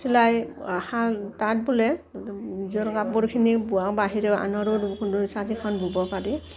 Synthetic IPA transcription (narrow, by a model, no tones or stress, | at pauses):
silajahatat̚bulɛnizɔɹkap̚bɔɹkʰinibuakbaɦiɹɛa̰nɔɾɔsaɾikʰɔnbʱubɔpaɹi